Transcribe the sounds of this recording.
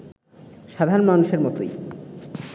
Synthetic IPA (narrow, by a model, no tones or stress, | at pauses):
ʃad̪ʱaɾonmanuʃeɾmɔt̪oj